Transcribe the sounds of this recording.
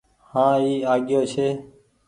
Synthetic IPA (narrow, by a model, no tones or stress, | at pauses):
hãːiːaːɠɪjoːt͡ʃʰeː